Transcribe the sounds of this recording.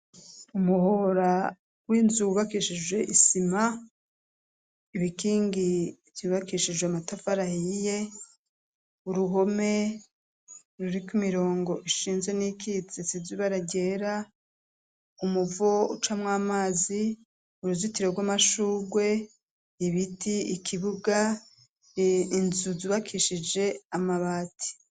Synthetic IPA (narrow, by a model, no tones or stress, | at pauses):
umuhoɾa | wiːnzuβakiʃid͡ʒwe̞ʔisima | iβikiːŋɡivjiβakiʃid͡ʒweamatafaɾahije̞ | uɾuɦo̞me̞ | ɾuɾikumiɾo̞ːŋɡo̞ʔiʃiːnzwe̞nikʰit͡sisiziβaɾaɟe̞ːɾa | umuvoṵt͡ʃamŋaːmaːzi | uɾuzitiɾe̞ɡwamaʃuːɡwe̞ | iβitʰiikʰiβuɡa | nzuziβakʰiʃid͡ʒe̞amaβaːtʰi̥